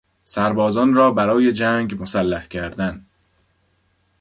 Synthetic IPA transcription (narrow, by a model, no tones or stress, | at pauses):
sæɾbɒːzɒːnrɒːbæɾɒːje̞d͡ʒæŋɟmosælːæhcʰæɾd̪æn